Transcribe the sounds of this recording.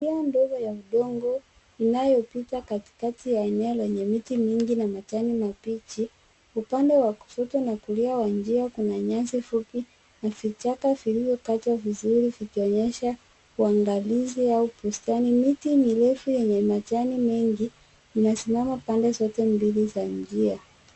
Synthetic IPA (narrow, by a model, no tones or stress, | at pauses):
iandɔɡɔjauɗɔŋɡɔ | inajɔpitakati̥katijaɛnɛɔlɛɲɛmitimiŋɡinamat͡ʃanimapit͡ʃi | upandɛwaku̥sɔtɔnakuliawand͡ʒiakunaɲansifupi | navit͡ʃakavilivjɔkat͡ʃwavizuɾivikiɔɲɛʃa | uaŋɡaliziaupustanimitimilɛfujɛɲɛmat͡ʃanimɛŋɡi | inasimamapandɛsɔtɛmbilizand͡ʒia